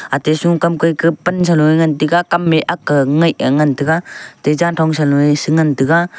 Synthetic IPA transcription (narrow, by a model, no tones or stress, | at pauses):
atesuŋkamkɯjkɯpənsalɔjŋantiɡakamːeʔakːɯŋɯjɯŋantɯɡatezantʰɔŋs̬alɔesɯŋantɯɡa